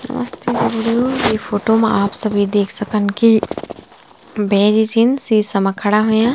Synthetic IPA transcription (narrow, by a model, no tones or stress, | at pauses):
nɐ̰mə̰st̪eːɾebɽijojepʰoːʈomeaːpsɐbʱid̪eːkʰsɐkənki | bɛːɾid͡ʒinsisɐməkʰəɽaɦojã